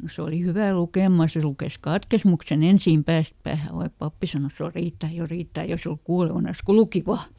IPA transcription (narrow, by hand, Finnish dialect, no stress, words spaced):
se oli hyʋæ lukeˑmɑ se lukes kɑtkesmuksen ensiˑm pæːst pæːhæ ʋɑik pɑpːi sɑnos jo riːtːæ jo riːtːæ eikæ se oluk kuːleʋɑnɑs ku luki ʋɑː